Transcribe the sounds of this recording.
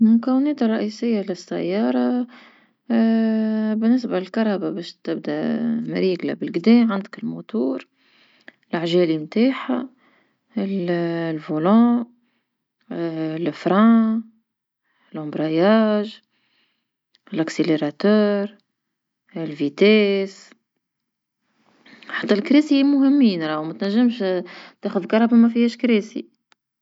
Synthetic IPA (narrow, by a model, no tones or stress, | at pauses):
mʊkæwɪnɛːt̪rˤːɑʔiːsɪjːalɪsːa̰jːɑːɾˤɑ | bɪnːɪsbalɪlkɑɾˤhababɛːʃt̪ɪbd̪æ̰mɾiːɡla̰bɪlɡd̪ɛːmʕand̪əkɪlmut̪uːɾ | lʔaʕʒɛːlimt̪aːħa | ɪllvulɑ̃ː | lfɾæ̃ | ɪlʔʊ̃mbɾɑjaːʒ | ɪlækseleɾˤɑt̪œːɾ | ɪlvit̪ɛːs | ħat̪ːælkɾiːsimʊɦɪmːiːnɾˤɑwmæt̪næʒːəmʃt̪æːxʊðkɑɾˤɑbamæfihɛːʃkɾeːsḭ